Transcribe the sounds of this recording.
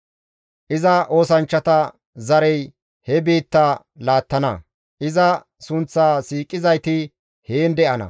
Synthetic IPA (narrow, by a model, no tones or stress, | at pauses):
ʔɪzɐʔo̞ːsɐnt͡ʃːɐt̪ɐ | zɐɾɛj | hɛbeːt̪ːaː | laːt̪ːɐnɐ̰ | ʔɪzɐ | sʊnt͡sːaːsiːkʼːɪzɐjt̪ɪ | heːnd̪ɛʔɐnɐ̰